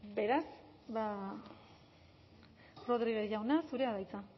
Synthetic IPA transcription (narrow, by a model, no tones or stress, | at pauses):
be̞ɾas | βa | ro̞ðɾiɣeʝawnasuɾe̞aðajt͡sa